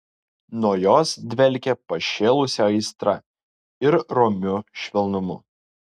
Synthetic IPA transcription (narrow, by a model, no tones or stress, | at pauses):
nuɔjoːsd̪ʲʋʲɛlʲkʲɛpɐʃʲeːlˠʊsʲɛɐɪst̪ɾɐ̰ | ɪɾɾɔmʲʊʃʲʋʲɛlˠnʊmʊ̰